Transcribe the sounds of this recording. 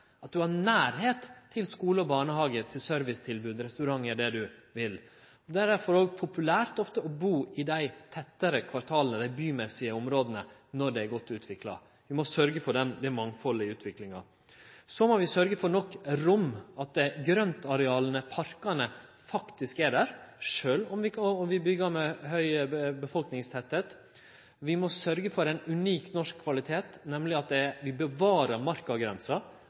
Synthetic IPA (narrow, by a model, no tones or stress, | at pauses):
ɑt̪̚d̪ʉhɑnæːɾɦeːt̪t̪ʰːɪlskuːləɔbɑːɳəhɑːɡət̪ʰɪlsœɾʋɪst̪ʰɪlbʉːd̪ɾɛst̪ʉɾɑŋːəɖɛd̪ʉʋɪl | ɔd̪æɾæfɔɾoːɡpʰʊpʉlæːɾt̪ɔft̪əɔbuːɪd̪æɪt̪ʰɛt̪ːəɾəkʰʋɑɾt̪ʰɑːlənəd̪æɪbyːmɛsɪəɔmɾoːd̪ənənɔɖɛæɾɡɔt̪ːʉːt̪ʰʋɪklɑ̰ | ʋɪmɔsœɾɡəfɔɖɛmd̪ɛmɑŋfɔləɪʉːt̪ʰʋɪklɪŋɑ̰ | sɔmɔʋɪsœɾɡəfɔɾnɔkːɾʊmːɑt̪̚d̪ɛɡɾœnt̪ɑɾɛɑːlənəpʰɑɾkɑnə | fɑkt̪ɪskæɖæːɾʂøːlɔmʋɪɔmʋɪbʏɡːɑɾmɛhœʏəbəfɔlknɪŋst̪ʰɛt̪ːeːt̪ | ʋɪmɔsœɾɡəfɔɾɛɪnʉniːknɔʂkʰːʋɑlɪt̪ʰeːt̪nɛmlɪɑt̪̚d̪ɛʋɪbəʋɑːɾɑɾmɑɾkɑɡɾɛnsɑ